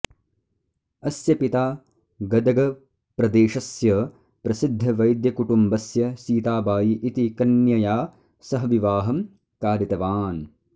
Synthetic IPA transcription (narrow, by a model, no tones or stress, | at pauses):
ɐsjɐpit̪aː | ɡɐd̪ɐɡɐ | pɾɐd̪eːʃɐsjɐ | pɾɐsid̪ʱːɐʋɐjd̪jɐkuʈumbɐsjɐsiːt̪aːbaːjiʔit̪ikɐnjɐjaː | sɐɦɐʋiʋaːɦɐm | kaːɾit̪ɐʋaːn